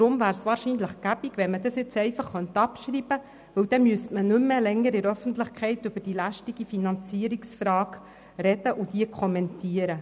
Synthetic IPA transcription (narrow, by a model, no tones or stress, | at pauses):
d̥ɾʊmvæːɾsʋɑːɾʃiːnləχɡ̥æbiɡʋɛnmədɑsjɪt͡sɛɪfɑχːœnt̪ɑpʃɾiːbə | ʋɵwd̥ɛmyəstmənʏmːəlɛŋːəɾɪɾœfən̩t̪ləχkʰɛɪt̪ʏb̥əd̥ilæʃtiɡ̥ifinɑnt͡siəɾiksfɾɑːɡ | ɾɛdəʔʊd̥iəkʰɔmɛntʰiəɾə